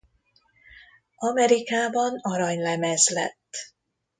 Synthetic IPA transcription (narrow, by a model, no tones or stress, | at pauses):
ɒmɛɾikaːbɒnɒɾɒɲlɛmɛzlɛ̰t̪ː